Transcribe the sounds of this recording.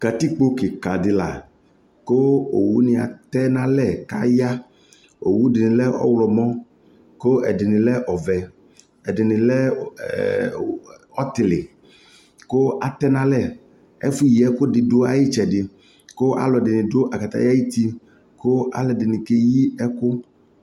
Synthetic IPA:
ka˨t̪i˦k͡po˦kɪ˨ka˨dɪ˨la̰˨ | ko˦o̰˨wṵ˦nɪ̃˨a̰˨t̪ɛ˦nã˦lɛ˦˨ka̰˦ja˦ | o˨wu˦dɪ˨nɪ̃˨lɛ˦ʔɔ̰˦wlɔ˨mɔ̃˦ | ko˦ɛ˨dɪ˨nɪ̃˨lɛ˦ʔɔ˨vɛ˨ | ɛ˨dɪ˨nɪ̃˨lɛ˦ | ɔ˦t̪ɪ˨lɪ̰˨ | ko˦ʔa˨t̪ɛ˦nã˦lɛ˦˨ | ɛ̰˦fu˦ji˨ɛ˦kʊ˦ɖɪ˨do˦a˨ji˦t͡ʃɛ˨ɖɪ˨ | ko˦ʔa̰˨lɔ˨dɪ˨nɪ̃˨do˦ʔa˨ka˨t̪a̰˦ja˦ji˦t̪i˦ | ko˦a̰˨lɛ˨dɪ˨nɪ̃˨ke˦ji˦ɛ˦kʊ˦

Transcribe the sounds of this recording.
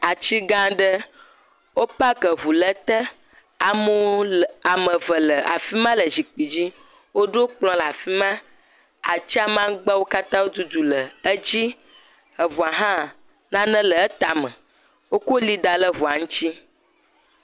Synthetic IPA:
a˨t͡ɕi˦ɡã˦ɖə˦ | wo˦pa˦kə˨βu˨lə˦t̪ə˦ | a˨mo˦a˨mə̃˨və˨lə˨a̰˨fi˦mã˦lə˨zi˨k͡pi˨d͡ʑi˦ | wo˦ɖo˦k͡plɔ̃˦la˨fi˦mã˦ | a̰˨t͡ɕi˦a˦mã˦ɡ͡ba˦wo˦ka˦t̪ã˦wo˦d̪u˦d̪u˨lə˨ə˦d͡ʑi˦ | ə˨vu˨a˨ɦã˦˨ | nã˦nə̃˦lə˨ə˦t̪a˨mə̃˨ | wo˦ko˦li˦d̪a˨lə˦βu˨a˨ŋũ˦t͡ɕi˦

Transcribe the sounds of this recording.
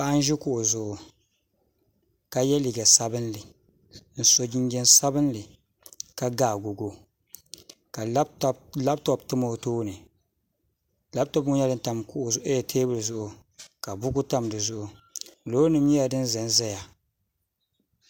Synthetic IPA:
paː˦n˦ʒi˦ku˨ʔʊ˨zʊ˨ʔʊ˨ | ka˨jɛ˦li˨ɡa˨sa˦bɨ˦nlɨ˨ | n̩˨so˨d͡ʒi˦ŋ˦ɡɛ˦nsa˦bɨ˦n˦lɨ˨ | ka˨ɡaː˦˨ɡu˨ɡo˦ | ka˨˦la˦b̚tɔ˦btɨ˦mo˦toː˦nɨ˨ | la˦btɔ˦bʊ˦ɲ˦a˦dɨ˦nta˨mku˦ʔʊ˨ze˦˨tʰeː˦bɨ˦lɨ˨zʊ˦ʔʊ˦ | ka˨bʊ˦ɡu˦ta˦mdɨ˨zʊ˦ʔʊ˨loː˦nɨ˦˨m˦ɲi˦ja˨dɨ˦n˦za˨n˦zɛ˦ja˨

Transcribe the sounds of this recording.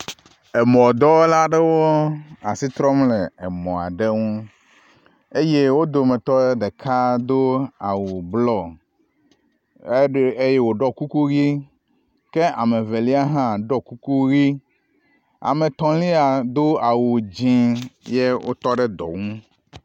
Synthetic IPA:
ɛ˨mɔ̃˨d̪ɔ˦la˦ɖɛ˦wo˦a˨si˦t̪ɾɔ˦mle˨e˨mɔ̃˨a̰˨ɖe˦ŋũ˦ | e˦je˦wo˦d̪o˨me˨t̪ɔ˦ɖe˦d̪e˨kʰa˦d̪o˦a˨wu˨blɔ˦ | e˦je˦wo˨ɖɔ˦ku˦ku˦ɣi˦ | ke˦ʔa˨me˨ve˨li˦a˦ɦã˦ɖɔ˦ku˦ku˦ɣi˦ | a̰˨mẽ˨t̪ɔ̃˨li˦a˨d̪o˦a˨wu˨d͡ʑĩ˦je˦wʔo̰˦t̪ɔ˦ɖe˦d̪ɔ̰˨ŋũ˦

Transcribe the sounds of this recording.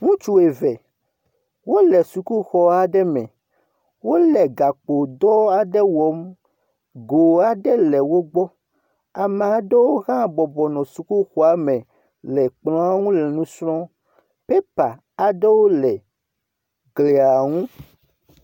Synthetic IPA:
ŋũ˦t͡ʃu˦e˨vɛ˨ | wo˦lɛ˨su˨ku˦xɔ˨a˨ɖɛ˦mɛ̰̃˨ | wo˦lɛ˨ɡa˨k͡po˨d̪ɔ˦a˨ɖɛ˦wɔ˨˦m | ɡo˨a˨ɖɛ˦lɛ˨wo˦ɡ͡bɔ˦ | a˨me˨a˨ɖɛ˦wo˦ɣã˦˨bɔ˨bɔ˨nɔ̃˨su˨ku˦xɔ˦a˨mɛ̃˨ | lɛ˨k͡plɔ̃˦a˦ŋũ˦lɛ˨nũ˦sɾɔ̃˦ | pe˦pa˨ | a˨ɖe˦wo˦lɛ˨ | ɡle˨a˨ŋũ˦

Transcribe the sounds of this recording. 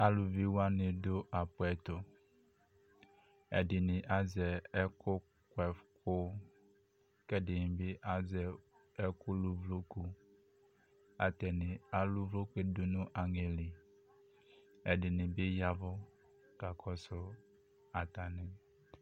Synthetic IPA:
a˦lu˨vi˦wa˦nɪ̃˨dʊ˦ʔa˨pʊ˦ɛ˨t̪ʊ˨ | ɛ̰˨dɪ˨nɪ̃˨ʔa˦zɛ˨ɛ˦kʊ˦ | kwɛ˨fkʊ˦ | kɛ˦dɪ˨nɪ̃˨bɪ˦ʔa˦zɛ˨ | ɛ˦kʊ˦lu˦vlo˦ku˦ | a˨t̪ɛ˨nɪ̃˨a˨lu˦vlo˦ku˦e˦dʊ˦nʊ̃˦ʔa˨ŋe˨li˨ | ɛ˨dɪ˨nɪ̃˨bɪ˦ja˦vʊ˦ | ka˨kʰɔ˦sʊ˦ | a˨t̪a˨nɪ̃˦

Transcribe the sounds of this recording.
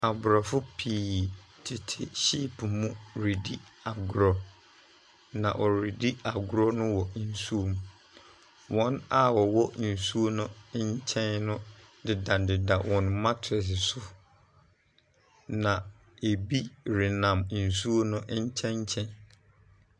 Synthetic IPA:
a˨bʊ˨ɾɔ˨fʊ˦pʰiː˦˨ | tʰɪ˨tʰɪ˨ɕi˦˨pʰmũ˦ɾi˨di˦a˨ɡʊ˨ɾɔ˨ | nã̰˨ʔɔ˨ɾi˨di˦a˨ɡʊ˦ɾɔ˦nʊ̃˦wɔ˨n̩˨su˦o˦m˨˦ | wʔɔ̃˦na˦wɔ˨wɔ˦n̩˨su˦o˦nʊ̃˦ɲ˦t͡ɕʰɛ̃˦nnʊ̃˦ | dɪ˨dã˨dɪ˨da˨wʔɔ̃˨nmã˦tʰɾɛ˨s̬ɪ˨sʊ˦ | nã˨ | e˨bi˦ɾɪ˨nã˨mn̩˨su˦o˦nʊ̃˦ʔɲ̩˦t͡ɕʰɛ̃˦ɲ˦t͡ɕʰɛ̃˦n

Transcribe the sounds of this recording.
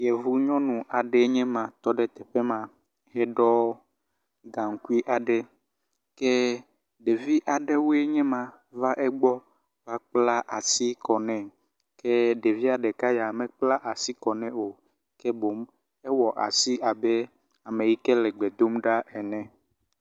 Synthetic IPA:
jɛ˨vu˦ɲɔ̃˦nũ˨ʔa˨ɖe˨˦ɲɛ̃˦mã˨t̪ɔ˦ɖe˦t̪ɛ˨ɸe˦mã˨ | ɦɛ˦ɖɔ˦ | ɡã˨ŋ̩˨˦ku˦i˦ʔa˨ɖe˦ | ke˦ | ɖe˨vi˦ʔa˨ɖe˦wo˦e˦ɲɛ̃˦mã˨ | va˦ʔɛ˦ɡ͡bɔ˦ | va˦k͡pla˦ʔa˨si˦kɔ˨nɛ̃˨ | ke˦ɖe˨vi˦a˨ɖe˨ka˦ja˨mɛ̃˨k͡pla˦ʔa˨si˦kɔ˨nɛ̃˦o˨ | kɛ˦bo˨˦m | ɛ˦wɔ˨ʔa̰˨si˦a˨be˦ | a˨mẽ˨ji˦kɛ˦lɛ˨ɡ͡bɛ˨d̪o˦mɖa˦ʔɛ˨nɛ̃˨

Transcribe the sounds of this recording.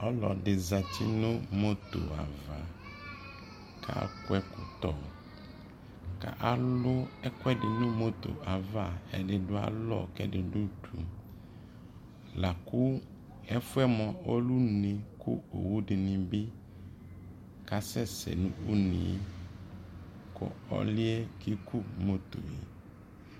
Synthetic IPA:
ɔ˦lɔ̰˨dɪ˨za˨t̪ʰi˦nʊ̃˦mo˦t̪o̰˨a̰˨va˨ | kʰa̰˦˨˦kwɛ˦kʊ˨t̪ɔ˨ | ka̰˨ʔa˨lʊ˦ɛ˦kwɛ˦dɪ˨nʊ̃˦mo˦t̪o̰˨a˨va˦˨ɛ̰˨dɪ˨dʊ˦a̰˨lɔ̰˦˨kɛ̰˦dɪ˨du˦tʰṵ˨ | la˨kʊ˦ | ɛ˦fʊ˦ɛ˦mɔ̃˨o˦lu˦ne˨kʰʊ̰˦o˨wu˦dɪ˨nɪ̃˨bɪ˦ | ka˨sɛ˦sɛ̰˨nṵ̃˦u˦nĩ˨˦ | kɔ̰˨ɔ̰˦lɪ˦ɛ˦ki˦ku˦mo˦t̪o˨jḛ˨

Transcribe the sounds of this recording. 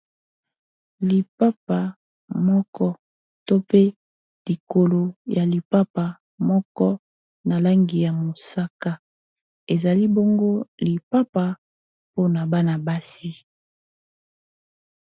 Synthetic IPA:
li˨pa˦pa˨ | mɔ˦kɔ˦ | to˦pe˦ | li˨ko˨lo˨ja˨li˨pa˦pa˨ | mɔ˦kɔ˦ | na˨la˦ŋɡi˨ja˨mo˨sa˦ka˦ | e˨za˨li˦bo˦ŋɡo˦li˨pa˦pa˨ | po˦na˨ba˦na˨ba˦si˦

